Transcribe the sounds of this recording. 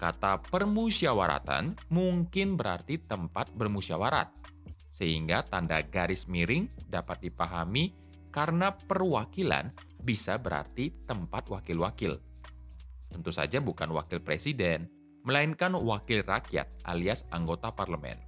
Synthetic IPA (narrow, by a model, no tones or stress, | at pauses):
kat̪apərmusiawaɾa̰t̪a̰nmuŋkɪnbəɾart̪it̪əmpat̪̚bərmusiawaɾa̰t̪̚ | səɦiŋɡat̪andaɡaɾɪsmiɾɪŋdapat̪̚dipaɦami | kaɾənapərwakila̰n | bisabəɾa̰rt̪it̪əmpat̪̚wakɪlwakɪl | t̪ənt̪usa̰d͡ʒabukanwa̰kɪlpɾesidɛn | məlainkanwakɪlrakija̰t̪̚ʔa̰liasaŋɡot̪aparləmɛ̰n